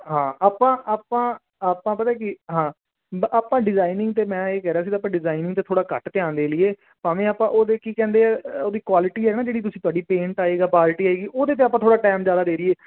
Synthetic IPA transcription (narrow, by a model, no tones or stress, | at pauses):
ɦãːaːpːãːʔaːpãː | aːpãːpət̪aeːkɪɦãː | aːpãːɖɪzaːinɪ̃ŋɡt̪eːmɛ̃ːeːkɛːɾeaːs̬iːt̪aːp̬ːãːɖɪzaːinɪ̃ŋt̪eːt̪ʰoːɽaːkə̰ʈt̪ɪjãːnd̪eːlɪeː | paːʋẽːaːpãːʔoːd̪eːkiːkɛ̃ːnd̪eːɛːoːd̪iːkwaːlɪʈiːɦɛːnãːd͡ʒeːɽiːt̪ʊsĩːt̪oaːɖiːpẽːɳʈaːeːɡaːpaːlɪʈiːaːeːɡiːʔoːd̪eːt̪eaːp̬ːãːt̪ʰoːɽaːʈɛːmzjaːd̪aːd̪eːɾɪeː